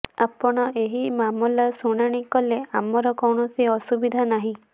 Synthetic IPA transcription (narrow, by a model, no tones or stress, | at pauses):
a̰pɔɽ̃ɔʔeɦimamulasuɽ̃aɽ̃ikɔleamɔɾɔkɔwɳɔsiɔsubid̪ʱanaɦĩ